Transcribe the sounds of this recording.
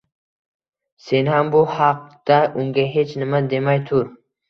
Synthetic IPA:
se̞nhambʊhɑq̚d̪̥aʔʊŋɡʲaɦe̞t͡ʃnɪmad̪e̞majt̪ʰʊɾ

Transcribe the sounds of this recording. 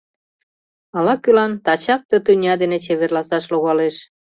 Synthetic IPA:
ɑlɑkːylɑnt̪ɑt͡ɕɑk̚t̪ə̆t̪ynʲɑd̪enĕt͡ɕeβerlɑsɑʃloɣɑleʃ

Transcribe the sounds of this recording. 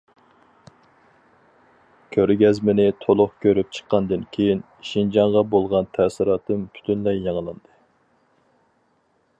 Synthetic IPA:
kʲʰøɾɡʲɛzmɪnɪt̪ʰolˠʊχkʲʰøɾyp̚t͡ʃʰə̥qːɑnd̪ɨnkʲʰejin | ʃind͡ʒɑŋʁɑbolˠʁɑnt̪ʰæsɪɾɑːt̪ɨmpʰy̥t̪ʰynlɛjːɑŋlˠɨnd̪ɨ

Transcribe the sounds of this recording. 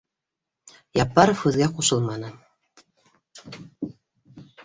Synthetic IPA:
jɑpːɑɾofɯðɡʲɑquʃɤ̆lˠmɑnɤ̆

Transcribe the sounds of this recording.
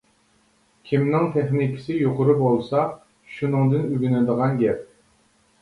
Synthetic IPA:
kʲʰimnɪŋt̪ʰɛχnikʲʰɪ̥sɪjoqʊɾɨbolˠsɑ | ʃunɨŋd̪ɨnyɡʲynɛd̪əʁɑnɡʲɛp̚

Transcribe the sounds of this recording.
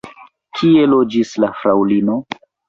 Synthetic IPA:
kʰie̞lo̞d͡ʒislafɾawlino̞

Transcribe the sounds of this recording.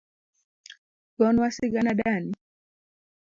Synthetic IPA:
ɡɔnwasiɡanaɗani

